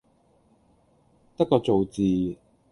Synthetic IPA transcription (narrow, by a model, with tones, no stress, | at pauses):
t̪ɐ˥kːɔː˧t͡so˨wt͡siː˨